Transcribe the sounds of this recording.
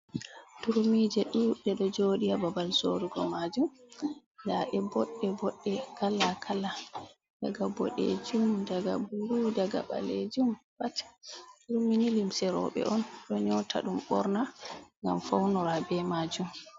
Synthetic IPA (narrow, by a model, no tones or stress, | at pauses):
tuɾmid͡ʒɛɗuɗɛɗɔd͡ʒoɗiababalsoɾuɡɔmad͡ʒum | ndaʔɛbɔɗːɛbɔɗːɛkʰalakʰala | daɡabɔ̰ɗḛd͡ʒumdaɡa̰buɾudaɡa̰ɓa̰lḛd͡ʒumbattuɾminilimsɛɾɔ̰ɓɛ̰ʔɔnɗɔɲɔtʰa̰ɗumɓɔɾnaŋɡa̰mfawnɔɾabɛmad͡ʒum